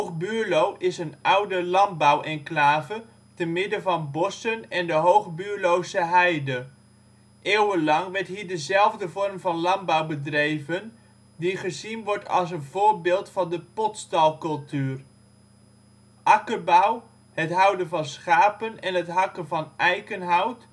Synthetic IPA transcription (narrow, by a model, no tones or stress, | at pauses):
ɦowχbyːɹlowʔɪsənʌwdəlɑnbəwʔɛnklaːvə | tənmɪdəvɑnbɔsənɛndəɦowχbyːɹlowzəɦɛjdə | ʔɪːwənlɑŋʋɛɹtɦiːɹdəzɛlˠvdəvɔrmvɑnlɑmbəwbədrejvən | diχəzinʋɔɹtʰɑ̰lˠs̬ənvʊːɹbɪːlˠtfɑndəpɔtstɑlˠkɵlˠtyːr | ʔɑkəɹbʌw | ɦətɦʌwdənvɑnsχaːpənɛnɦətɦɑkənvɑnʔɛjχənɦɑwt